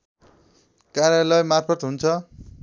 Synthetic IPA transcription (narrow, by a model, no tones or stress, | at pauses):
kaɾjalʌjmarpʰʌt̪ɦunt͡sʰʌ